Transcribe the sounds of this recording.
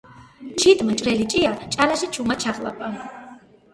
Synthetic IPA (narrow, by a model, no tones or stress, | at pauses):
t͡ʃʰid̪mt͡ʃʼɾɛlit͡ʃʼiat͡ʃʼalaʃɛt͡ʃʰumat͡ʃʰaʁla̰pʼa